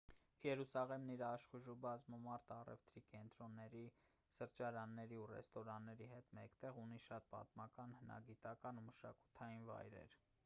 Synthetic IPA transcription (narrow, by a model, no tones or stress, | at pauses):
jɛɾusɑʁɛmniɾɑʃχuʒubɑzməmɑɾt̪ɑrɛ̰ft̪ɾikɛnt̪ɾɔnːɛɾi | səɾt͡ʃɑɾɑnːɛɾiurɛ̰st̪ɔɾɑnːɛɾiɦɛt̪mɛkt̪ɛʁuniʃɑt̪̚pɑ̰t̪mɑkɑnhənɑ̰ɡit̪ɑkɑnuməʃɑ̰ku̥t̪ʰɑjinvɑ̰jɾɛ̰ɾ